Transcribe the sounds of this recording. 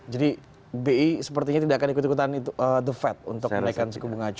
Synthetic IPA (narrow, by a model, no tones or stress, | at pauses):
d͡ʒadi | beisəpərt̪iɲat̪idaʔakanikut̪ikut̪anit̪uʔəd̪əfɛt̪̚ṵnt̪ʊkənaikansəkubuŋat͡ʃ